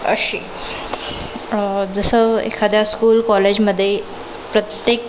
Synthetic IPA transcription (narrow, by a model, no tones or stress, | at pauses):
ə̰ɕiː | d͡zəsəḛkʰad̪jaskuːlkɔled͡ʑməd̪ʱːje | pɾət̪jek